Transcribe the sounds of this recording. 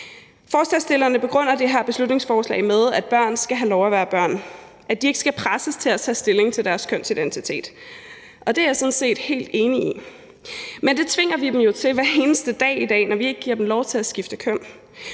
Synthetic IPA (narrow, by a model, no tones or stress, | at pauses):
fɒːslɛsd̥e̝lɐnəb̥e̝ɡ̥ʁɔ̽n̰ɐd̥e̝ɦæɐb̥e̝slud̥ne̝ŋsfɒːslɛ̰ɪmeð̞ˠæd̥̚b̥ɶɐ̰nsɡ̥æɦælɒʊæʋæːɐb̥ɶɐ̰n | æd̥ie̝ɡ̥ə̥sɡ̥æpʰʁasəst͡sʰe̝læt͡sʰɛ̰ːsd̥e̝le̝ŋt͡sʰe̝ld̥æɐskʰœn̰sid̥ent͡sʰit͡sʰe̝̰ːd̥ | ʔɒ̽d̥e̝æɐjasɒ̽n̩se̝̰ːd̥he̝̰ːld̥e̝ːnii | mend̥e̝t͡sʰʋe̝ŋ̰ɐʋid̥emjo̝t͡sʰe̝lʋæɐe̝ːnəsd̥əd̥ɛ̰ːid̥ɛ̰ːnɒʋie̝ɡ̥əɡ̥iɐ̰d̥em̩lɒʊt͡sʰe̝læsɡ̥ifd̥əkʰøn̰